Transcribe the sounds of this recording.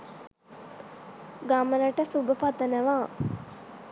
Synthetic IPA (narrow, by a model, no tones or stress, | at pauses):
ɡamələʈəsubəpat̪ənəʋaː